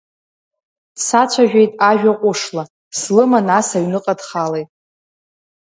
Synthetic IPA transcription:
sat͡ɕʷʰaʒᶣejtʼaʒᶣaqʷʼʊʂla | slɨmanasaɥnɨqʼadχalejtʼ

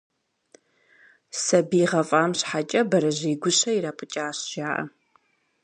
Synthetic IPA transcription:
sɐbiːʁɐfʼaːmɕħat͡ʃʼɐbɐɾɐʑiːɡʷʊɕɐiɾaːpʰʼɨt͡ʃʼaːɕʒ̥aːʔɐ̰

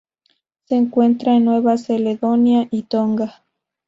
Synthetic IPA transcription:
seːŋkwent̪ɾaenːweβaseleðonjaʔit̪oŋɡa

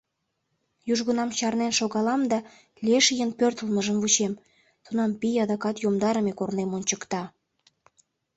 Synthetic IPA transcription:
juʒɣənɑmt͡ɕɑrnenʃoɣɑlɑmd̪ɑ | lʲieʃəjənpørt̪əlməʒənvut͡ɕem | t̪unɑmpijɑd̪ɑkɑt̪jomd̪ɑɾəmekornemonʲt͡ɕəkt̪ɑ

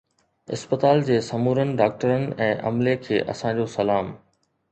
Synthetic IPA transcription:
ɪ̰spət̪aːld͡ʑeːsɐmuːɾənɪ̆ɖaːk̚ʈəɾənɪ̆ɛ̃ːʔɐ̰mlekʰeːʔɐ̰sãd͡ʑoːsɐlaːm

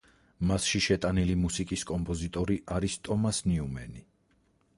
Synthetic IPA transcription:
masʃiʃɛt̪ʼanilimusikʼiskʼɔmpʼɔzit̪ʼɔɾiʔaɾist̪ʼɔmasniumɛ̰ni

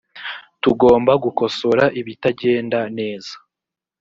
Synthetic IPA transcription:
tuɡo̞ːmbaɡuko̞so̞ɾaʔiβitaɟe̞ːndane̞ːz̥ḁ

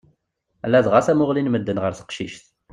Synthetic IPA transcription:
ælːæðʁasæmʊʁlinməd̪ːənʁəɾθə̥qʃiʃθ

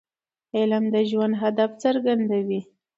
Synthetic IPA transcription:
elamd̪əʒwand̪ɦad̪aft͡səɾɡand̪awi

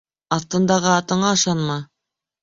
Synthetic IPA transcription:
ɑθt̪ɤ̆nd̪ɑʁɤɑt̪ɤ̆ɴɑɤ̆ʃɑnmɑ

